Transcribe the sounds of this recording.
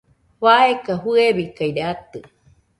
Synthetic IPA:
waekahueβikaiɾeat̪ɨ

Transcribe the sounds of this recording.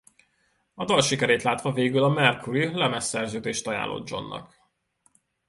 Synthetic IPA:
ɒd̪ɒlʃikɛɾeːt̪laːt̪ʋɒveːɡylɒmɛrkʰuɾilɛmɛsːɛrzøːd̪eːʃt̪ɒja̰ːlo̰d̪d͡ʒo̞̰nːɒ̰k

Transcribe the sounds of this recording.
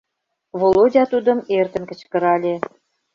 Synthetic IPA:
βolodʲɑt̪ud̪ə̆mert̪ə̆nkə̆t͡ɕkə̆ɾɑlʲe

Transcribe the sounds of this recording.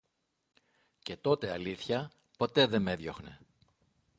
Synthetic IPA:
ce̞t̪o̞t̪e̞ɐliθçɐ | po̞t̪e̞ðe̞me̞ðjo̞xne̞̰

